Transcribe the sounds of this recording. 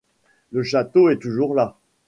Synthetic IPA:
ləʃat̪oɛt̪uʒuʁla

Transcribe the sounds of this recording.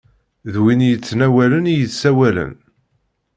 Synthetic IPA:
ðwinjət͡sːnæwælənijəθsæwælə̰n

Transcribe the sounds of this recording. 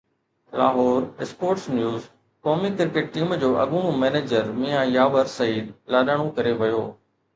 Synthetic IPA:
laːɦɔːɾɪspoːɾʈsnjuːz | kɔːmikɪɾkeʈ̚ʈiːmd͡ʑoːʔɐɠʊɽ̃ũmeːneːd͡ʑəɾmijãjaːʋəɾsɐiːd̪laːɗəːɽ̃õkɐɾeʋɐjoː

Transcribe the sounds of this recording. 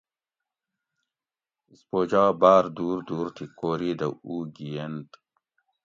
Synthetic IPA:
spoːd͡ʑaːbaːɾd̪uːɾd̪uːɾt̪ʰikoːɾiːd̪ɐuːɡijent̪

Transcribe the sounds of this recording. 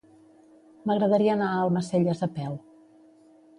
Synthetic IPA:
məɣɾəðəɾiəːnaəlˠməseʎəzəpɛl

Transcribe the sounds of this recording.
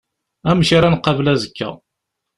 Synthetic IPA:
æmʃiɾænqːɑvlæzəkːæ̰

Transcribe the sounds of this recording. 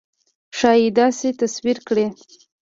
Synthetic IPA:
ʃɑjid̪ɑset̪aswiɾkɽe

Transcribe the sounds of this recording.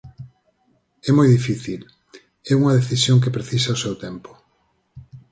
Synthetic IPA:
ɛmɔjðifiθil | ɛuŋɐðeθisjoŋk̬epɾeθisaosɛwt̪ɛmpʊ̥

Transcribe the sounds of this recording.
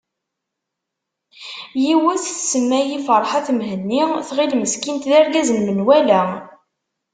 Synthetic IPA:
jiwəθθsəmːæjifəɾˤħaθmɦənːiθʁilməskint̪ðæɾɡæzənmənwælæ

